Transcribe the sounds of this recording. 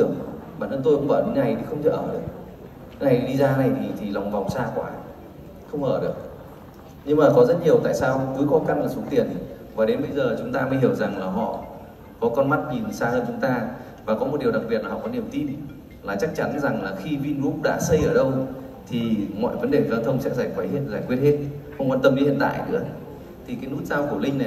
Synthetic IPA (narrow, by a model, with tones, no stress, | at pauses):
t̪ɨ˧˩əŋ˨ɓa̰ː˧˨nʔə˧nt̪o˧jkʊ˧˥ŋ͡mʔəː˧˩ɗe˨˦nna˨˩jt̪ʰi˨˩xə˧wŋ͡mt͡ɕə̰˧˩ʔəː˧˩ɗɨ˨˩ək̚ | na˨˩jɗi˧zaː˧na˨˩jt̪ʰi˨˩t̪ʰi˨˩la˨˩wŋ͡mva˨˩wŋ͡msaː˧kwa̰ː˨˦ | xə˧wŋ͡mʔəː˧˩ɗɨ˨˩ək̚ | ɲɨ˧ŋmaː˨˩kɔ˨˦zə˦˥t̚ɲi˨˩əwt̪a̰ː˧˨jsaː˧wk̪ɨ˨˦jkɔ˨˧˦ka˧nlaː˨˩su˨˦t̪i˨˩ən | vaː˨˩ɗe˨˦nɓə˧jzəː˨˩t͡ɕʊ˨˦ŋ͡mt̪aː˧mə˨˦ɦi˧˩əwza˨˩ŋlaː˨˩ɦɔ̰˧˨ | kɔ˨˦kɔ˧nma˦˥t̚ɲi˨˩nsaː˧həː˧nt͡ɕʊ˨˦ŋ͡mt̪aː˧ | vaː˨˩kɔ˨˦mo˨˩t̚ɗi˨˩əwɗa˨˩k̚i˨˩ət̚lːa˨˩hɔ̰˧˨˩kɔ˨˦ni˨˩əwt̪i˧n | laː˨˩t͡ɕa˦˥k̚t͡ɕa˨˦nza˨˩ŋlaː˨˩xi˧vi˧nmu˦˥k͡p̚ɗa̰ː˧˥sə˧jʔəː˧˩ɗə˧w | t̪ʰi˨˩mɔ̰˧˨jvə˨˦nɗe˨˩˨zaː˧t̪ʰə˧wŋ͡msɛ̰˦˥k̚zaː˧˩wə˨˦jhe˧˥nzaː˧˩jkwi˦˥ət̚he˦˥t̚xə˧ŋ͡mkwaː˧nt̪ə˧mɗi˨˦hḭ˧˨ənt̪a̰ː˧˨jnɨ̰˧˥ə | t̪ʰi˨˩kaː˨˦jnu˦˥t̚zaː˧wku˧˩əlï˧ŋ̟na˨˩